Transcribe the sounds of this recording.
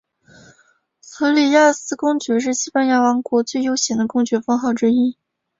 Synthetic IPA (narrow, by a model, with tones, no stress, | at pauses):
xɤ˧˥li˨˩ja˥˩sɹ̩˥kʊ˥ŋt͡ɕɥɛ˧˥ʂ̬ɻ̩˥˩ɕi˥pa˥nja˥˩wɑ˧˥ŋkwɔ˧˥t͡swe˥˩ɪjo˥ʊɕjɛ˧˥ŋd̪ə˧kʊ˥ŋt͡ɕɥɛ˧˥fɑ˥ŋxɑ˥˩ʊʈ͡ʂɻ̩˥i˥